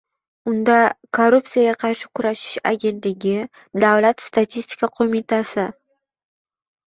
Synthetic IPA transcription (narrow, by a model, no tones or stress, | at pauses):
ʊnd̪akʰoɾupt̪sijaɡʲaqʰɑɾʃɪ̥kʲʰʊɾaʃɪ̥ʃa̰ɡʲe̞nt̪lɪɡʲɪ | d̪awlat̪st̪at̪ʰisʲt̪ʰʲi̥kaqʰomit̪ʰasɪ